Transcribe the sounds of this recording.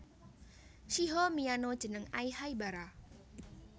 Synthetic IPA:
ʃiɦomianod̥ʒ̥ə̤nəŋaihaibaɾa

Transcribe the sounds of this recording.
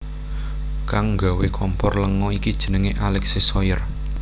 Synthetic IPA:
kaŋŋɡa̤wekʰɔmpɔrləŋɔikid̥ʒ̥ə̥̤nəŋeʔalɛksisɔjər

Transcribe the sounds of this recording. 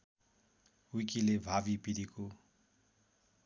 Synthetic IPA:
uikilebʱabipiɾiko

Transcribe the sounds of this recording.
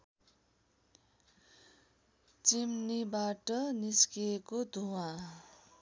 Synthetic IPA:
t͡simnibaʈʌniskiekod̪ʱuwã

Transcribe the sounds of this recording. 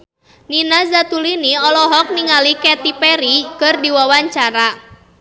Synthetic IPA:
ninazat̪uliniɔlɔɦɔk̚niŋalikɛt̪ipɛɾikɨrdiwawaɲt͡ʃaɾa

